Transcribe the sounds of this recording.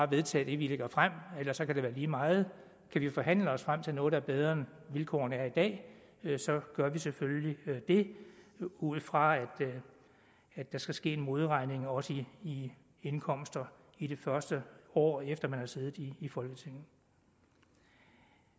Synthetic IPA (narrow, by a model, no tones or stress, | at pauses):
ɑ̈ʋe̝ð̞ˠt͡sʰɛ̰ːd̥e̝ʋile̝ɡ̥ɐfʁam̰elɐsɒ̽kʰæɾeʋæːɐliːmɑ̈ːð̞̩ˠ | kʰæʋifɒ̽ɦæn̰ləɒ̽sfʁam̰t͡sʰe̝lnɔ̽ːð̞̩ˠd̥æɐb̥eð̞ˠʁɐnʋilkʰɒ̰ːɐnəæɐid̥ɛ̰ː | sɒ̽ɡ̥ɶɐʋiseføljlid̥e̝ | uð̩ˠfʁɑ̈æd̥ | æd̥ɑ̈sɡ̥æsɡ̥e̝̰ːe̝nmo̝ð̞ˠʁɑ̈ɪne̝ŋɒ̽səiː | e̝nkʰɒ̽m̰sd̥ɐ | iɾ̥e̝fɶɐsd̥əɒ̰ːefd̥ɐmænhɑ̈se̝ːð̞̩ˠiːfɒ̽lɡ̥ət͡sʰe̝ŋ̰n̩